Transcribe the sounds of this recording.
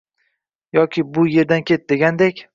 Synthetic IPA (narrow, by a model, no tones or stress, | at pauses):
jɒkʲʰɪbʊje̞ɾd̪ankʲʰe̞t̪̚d̪e̞ɡʲand̪ekʲ